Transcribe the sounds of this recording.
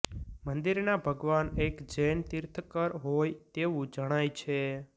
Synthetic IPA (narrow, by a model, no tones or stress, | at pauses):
mənd̪iɾnabʱəɡʋanekd͡ʒɛnt̪ɪɾt̪ʰəkəɾɦojt̪eʋũd͡ʒəɽ̃ajt͡ʃʰe